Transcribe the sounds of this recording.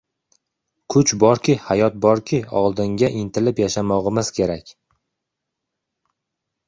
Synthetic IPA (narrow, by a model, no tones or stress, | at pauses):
kʰʊt͡ʃbɒɾkʲɪhajɒt̪̚bɒɾkʲʰɪɒ̰lˠd̪ɪŋɡʲaʔɪnt̪ʰɪlɪpjaʃamɒʁɨmɪz̥kʲʰe̞ɾakʲ